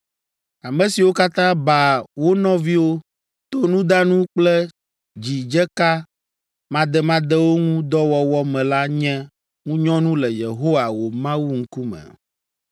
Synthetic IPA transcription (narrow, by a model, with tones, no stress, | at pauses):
a˨mɛ̃˦si˨wo˦ka˦t̪ã˦ba˨wo˦nɔ̃˦vi˦wo˦ | t̪o˦nũ˦d̪a˦nũ˦k͡plɛ˦ | d͡ʑi˨d͡ʒɛ˦ka˦ | mã˦d̪ɛ˦mã˦d̪ɛ˦wo˦ŋũ˦d̪ɔ˦wɔ˦wɔ˦mɛ̃˨la˦ɲɛ̃˦ | ŋũ˦ɲɔ̃˦nũ˦lɛ˨je˨ɦo˦wa˨wo˨mã˦wu˦ŋ̩˦ku˦mɛ̰˨